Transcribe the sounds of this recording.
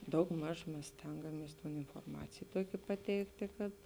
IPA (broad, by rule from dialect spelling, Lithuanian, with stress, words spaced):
dɐʊɡˈmɐʃ ˈmʲɛs ˈsʲtʲɛŋɡɐmʲiɛs ɪnfoːrˈmɑːt͡sʲeːj ˈtuɔkʲeː pɐˈtʲɛɪktʲeː kɐt